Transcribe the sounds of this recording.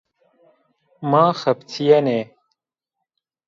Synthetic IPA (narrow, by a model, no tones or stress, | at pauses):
maːxɐpt̪ʰijɐneː